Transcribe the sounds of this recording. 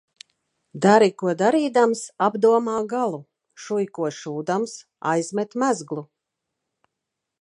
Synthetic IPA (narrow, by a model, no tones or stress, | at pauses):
d̪aɾikuɔd̪aɾiːd̪amsabd̪uɔmaːɡalˠu | ʃujkuɔʃuːd̪ams | a̰jz̥mʲɛt̪mæzɡlˠu